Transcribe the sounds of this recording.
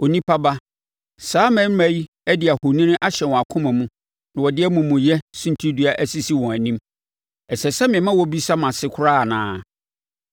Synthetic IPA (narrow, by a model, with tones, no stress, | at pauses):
o˨nĩ˦pʰa˦ba˦ | saː˨˦mɛ̃˦m˦mæ˦ji˦ | ɛ˦dɪ˨a˨ho˨nĩ˦nɪ̃˦ʔa˦ɕɛ˨wɔ̃˨a˨kʰʊ̃˦mæ̃˨mũ˦ | nã˨wɔ˨dɪ˦ɛ˦mũ˨mũ˨jɛ˦sũ˦n˦tʰi˦dɥa˦ʔæ˦si˦si˦wɔ̃˨æ˨nĩ˦m | ɛ˨sɛ˨sɛ˦mɪ̃˨ɛ˨mã˦wɔ˦bi˦sa˦mã˨sɪ˦kʰʊ˦ɾa˦˨nã̰ː˨˦